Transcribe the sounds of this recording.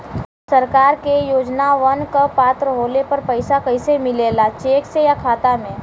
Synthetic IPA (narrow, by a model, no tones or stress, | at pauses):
sɐɾkaːɾkejoːd͡ʒnaʋɐnkəpaːt̪ɾəɦoːlepɐɾpɐɪsakɐɪsemɪleːlat͡ʃeːksejakʰaːt̪amẽː